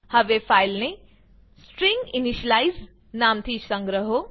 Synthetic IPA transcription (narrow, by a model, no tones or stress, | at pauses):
hɐʋefajlne | sʈɾĩŋɡiniʃɐlajz | naːmt̪ʰisɐ̃ŋɡɾəɦo